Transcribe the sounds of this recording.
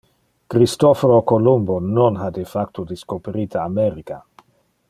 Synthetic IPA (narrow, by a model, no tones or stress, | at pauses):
kɾist̪ofoɾokolumbononɦad̪efakt̪od̪iskopeɾiːt̪aameɾika